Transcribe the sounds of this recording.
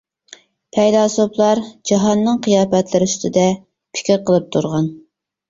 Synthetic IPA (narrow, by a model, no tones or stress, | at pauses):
pʰɛjd̪ɑːsoplˠɑɾd͡ʒɑɦɑnːɨŋqʰijɑːpɛt̪lɪɾɪyst̪ɪd̪ɛ | pʰɪ̥kʲɪɾqəlˠɨp̚t̪ʰuɾʁɑn